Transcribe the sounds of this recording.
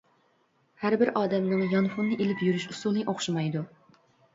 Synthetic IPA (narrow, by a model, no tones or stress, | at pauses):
hæɾbɪɾʔɑːd̪ɛmnɨŋjɑnfunːɨʔelɪpjyɾyʃusulˠnɨʔoχʃɑmɑjd̪u